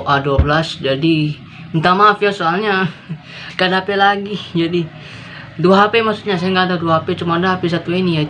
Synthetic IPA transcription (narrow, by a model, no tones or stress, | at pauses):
ʔaduabəlasd͡ʒadi | unt̪amafiasoalɲa | kadaɦapelaɡid͡ʒadi | duaɦapemasut̪ɲasajaŋɡad̪aduaɦapet͡ʃumadaɦapis̬at̪uinija